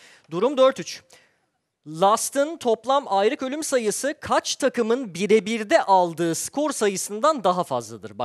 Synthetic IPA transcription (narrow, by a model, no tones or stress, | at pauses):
d̪uɾumd̪øɾt̪yt͡ʃ | lˠast̪ʰɯnt̪ʰo̞plˠamajɾɯkø̞lʲymsajɯsɯkʰat͡ʃt̪ʰakɯmɯnbiɾebiɾd̪ɛʔalˠd̪ɯːskʰo̞ɾsajɯsɯnd̪and̪aɦafa̰zlˠad̪ɯɾba